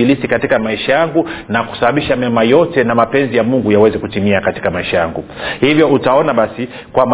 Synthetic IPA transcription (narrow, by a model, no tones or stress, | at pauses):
ilisikatikamaiʃajaŋɡunaku̥saɓaɓiʃamamajɔtɛnamapɛnzijamuŋɡujawɛzɛkutimiakati̥kamaiʃajaŋɡuhivjɔutaɔnaɓasi | kwam